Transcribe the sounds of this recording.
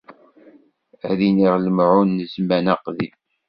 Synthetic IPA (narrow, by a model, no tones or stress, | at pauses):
ðiniʁləmʕunːəzmænæqðḭ